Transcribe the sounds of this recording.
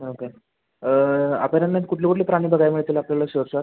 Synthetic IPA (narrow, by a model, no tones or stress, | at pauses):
oke | a̰penanːat̪kuʈʰliːkuʈʰliːpɾaɽ̃iːbəɡajmiɭt̪iːlapljalaɕəɾsa